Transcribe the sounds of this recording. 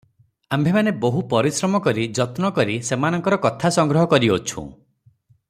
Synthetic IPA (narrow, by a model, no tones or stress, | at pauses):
ambʱemaneboɦupɔɾisɾɔmɔkɔɾid͡ʒɔt̪nɔkɔɾisemanɔŋkɔɾɔkɔt̪ʰasɔŋɡɾɔɦɔkɔɾiot͡ʃʰṵ̃